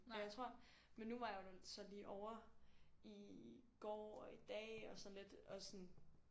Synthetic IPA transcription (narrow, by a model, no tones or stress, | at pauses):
ɒjäɪt͡sʰʁo̝ɐ̰ | menːuʋɑ̈joʊd̥e̥sɒ̽nliːʔɒʊɐ | iɡ̥ɒ̰ːɒ̽id̥ɛ̰ːɒ̽sɒ̽nle̝d̥ɒ̽sɒn